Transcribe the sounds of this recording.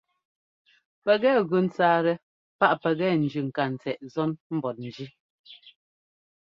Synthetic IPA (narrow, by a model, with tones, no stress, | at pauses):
pɛ˨ɣɛ˦ɣʉ˨n̩˦t͡saː˦ɾɛ˨ | pa˦ʔpɛ˨ɣɛ˦n̩˨d͡ʒʉ˨ŋ̩˨ka˨n̩˨t͡sɛ˨ʔzɔ˦nm̩˦bɔ˨t̚n̩˨d͡ʒi˦